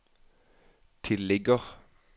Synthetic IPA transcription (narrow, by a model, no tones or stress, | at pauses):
t̪ʰɪlɛɡəʁ